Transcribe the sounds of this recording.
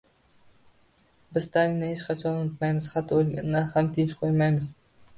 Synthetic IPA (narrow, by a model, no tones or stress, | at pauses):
bɪzst̪ʰalinɪhet͡ʃqʰɑt͡ʃʰɒnot̪majmɪz̥hat̪ʰːolˠɡʲanːahamt̪ʰent͡ʃqʰojmajmɪz